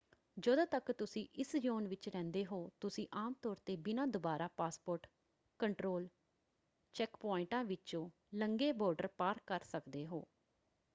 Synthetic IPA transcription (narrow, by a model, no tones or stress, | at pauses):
d͡ʒəd̪õːt̪əkt̪ʊsĩːʔɪsd͡ʒoːnʋɪt͡ʃɾɛ̃ːnd̪eːɦoːt̪ʊsĩːʔaːmt̪ɔːɾt̪eːbɪnãːd̪ʊbaːɾaːpaːspoːɾʈ | kəɳʈɾoːl | t͡ʃɛkpɔːɪɳʈãːʋɪt͡ʃõː | ləŋɡeːbɔːɾɖəɾpaːɾkəɾsəkd̪eːɦo̰ː